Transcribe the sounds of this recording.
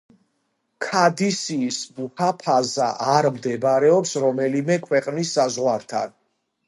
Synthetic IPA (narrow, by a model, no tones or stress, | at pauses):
kʰad̪isiːsmukʰapʰaza̰ʔaɾmd̪ɛbaɾɛɔpsɾɔmɛlimɛkʰwɛqʼnisːazʁwaɾt̪ʰa̰n